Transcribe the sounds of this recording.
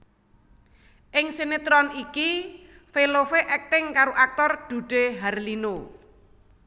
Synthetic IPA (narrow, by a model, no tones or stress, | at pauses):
ʔɪŋsenet̪ɾɔniki | felofeʔɛk̚t̪ɪŋkaɾoʔak̚t̪ɔrd̪̥ṳɖ̥e̤ɦarlino